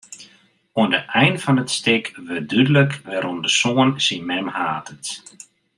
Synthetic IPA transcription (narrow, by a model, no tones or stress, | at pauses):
oəndəʔɛjnfɔnətstɪkʋədydələkʋɛɾɔndəsoənsinmɛmhaːtət